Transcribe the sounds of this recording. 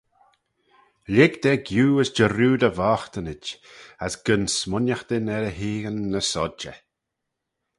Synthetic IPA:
lɪɡd̪ɛɡjuːəsd͡ʒəɾuːd̪əvaːxt̪ənɪt͡ʃasɡ̥ənsmʊnjaxd̪ɪnɛɾəɦiːɡənːəsɔd͡ʒə̰

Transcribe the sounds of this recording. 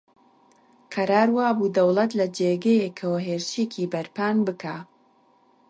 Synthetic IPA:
qʰɐɾaːɾwaːbuːd̪ɐwlˠɐt̪lɐd͡ʒeːɡɐjekʰɐwɐɦeːɾʃecʰiːbɐɾpaːnbɨkʰaː

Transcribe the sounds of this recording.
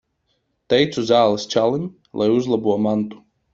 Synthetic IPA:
t̪ɛjt̪sʲuzaːlˠɨst͡ʃalˠɪnʲ | lʔajuzlˠɐbuɐmant̪u̥

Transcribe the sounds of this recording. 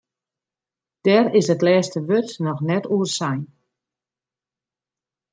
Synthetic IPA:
d̥ɛɾɪsətlɛːstəʋøtnɔxnɛtuərsajn

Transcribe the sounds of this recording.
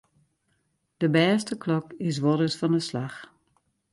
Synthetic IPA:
d̥əbɛːstəkʰlɔkɪs̬ʋɔɾəsfɔndəslax

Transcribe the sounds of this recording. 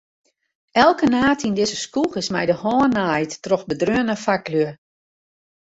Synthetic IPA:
ɛlˠkənaːtindɪzəskuxɪsmɛjdəhɔːnajtːrɔxbədrøənəfaklyə

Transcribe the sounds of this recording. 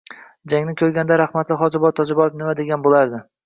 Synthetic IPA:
d͡ʒaŋnɪkʲʰɵɾɡʲand̪aɾaχmat̪lɪχɒd͡ʒɪbɒt̪t̪ʰːɒd͡ʒɪbɒɪfnɪmad̪eɡʲanbolaɾd̪ɪ

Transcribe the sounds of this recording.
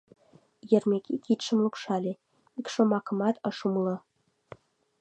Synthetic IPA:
jɘ̆rmʲekʲʰikit̪ʃə̆mlˠukʃɑlʲe | ikʃŏmɑkɤ̆mɑt̪ɤ̆ʃumlɤ̆

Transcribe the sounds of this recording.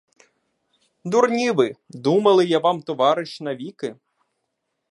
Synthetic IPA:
d̪ʊrnʲiʋɪd̪umɐlˠɪjaʋɑmt̪ɔʋɑɾɪʃnɐʋʲikɪ

